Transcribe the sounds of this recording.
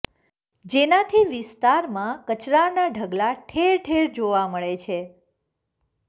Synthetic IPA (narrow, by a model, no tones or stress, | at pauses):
d͡ʒenat̪ʰiʋɪst̪aɾmãkət͡ʃɾanaɖʱəɡlaʈʰeɾʈʰeɾd͡ʒoʋaməɭet͡ʃʰe